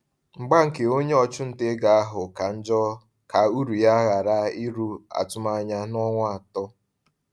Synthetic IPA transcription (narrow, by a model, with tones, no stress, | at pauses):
ŋ͡m̩˨ɡ͡ba˦ŋ̩˨ke˨o˦ɲe˦ɔ˨t͡ʃʊ˦n̩˨te˦ɡa˨a˦ɦʊ˨ka˨n̩˦d͡ʒɔ˦ | ka˨u˦ɾu˨ja˦ɣa˨ɾa˦i˦ɾu˦a̰˨tʊ˦ma˦ɲa˦nɔ˦ŋʷ˦a˨tɔ˦